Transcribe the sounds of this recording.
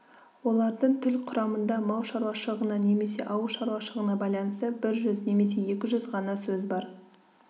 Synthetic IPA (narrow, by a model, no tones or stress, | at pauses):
wo̞lˠɑɾd̪əɴt̪ʰʏlqʰʊɾɑmənd̪ɑmɑwʃɑɾwɑʃəlˠəʁənɑne̞me̞se̞̰ʔɑwəʃɑɾwɑʃəəʁənɑbɑjlˠɑnəst̪əbɪɾʒʏzne̞me̞s̬e̞je̞kʲɪʒʏzʁɑnɑsɵzbɑɾ